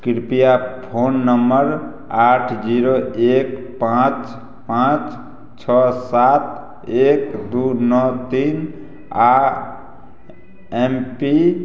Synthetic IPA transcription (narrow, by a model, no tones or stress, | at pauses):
kiɾpijapʰonːəmbəɾ | aʈʰd͡ʒiɾoekpãt͡ʃ | pãt͡ʃ | t͡ʃʰɔsat̪ | ekd̪unɔt̪in | a | empi